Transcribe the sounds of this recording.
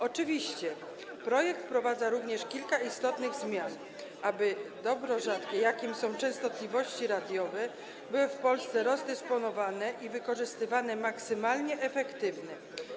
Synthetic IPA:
ɔt͡ʂɘvʲiɕt͡ɕɛ | pɾɔjɛk̚t̪fpɾɔvad̪zaɾuvɲɛʂkʲilkaist̪ɔt̪nɘɣzmʲjan | ʔabɘd̪ɔbɾɔʐat̪kʲɛjakʲimsɔ̃w̃t͡ʂɛ̃ñst̪ɔt̪lʲivɔɕt͡ɕiɾad̪ʲjɔvɛ | bɘwɘfpɔlst̪sɛɾɔzd̪ɛspɔnɔvanɛʔivɘkɔʐɘst̪ɘvanɛmaksɘmalɲɛʔɛfɛkt̪ɘvnɛ

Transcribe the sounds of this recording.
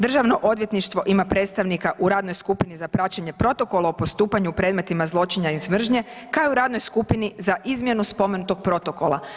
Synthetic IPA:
d̪r̩ʒaʋno̞ʔo̞d̪ʋje̞t̪niʃt̪ʋo̞ʔimapɾe̞ːt̪st̪aʋnikaʔuɾaːd̪no̞jskupinizapɾat͡ɕeɲe̞pɾo̞t̪o̞ko̞lˠaopo̞st̪uːpaɲupɾe̞ːd̪me̞t̪imazlˠo̞t͡ʃiɲaizmr̩ʒɲe̞kaeuɾaːd̪no̞jskupinizaʔizmje̞nuspo̞me̞nut̪o̞ɡ̚pɾo̞t̪o̞ko̞la̰

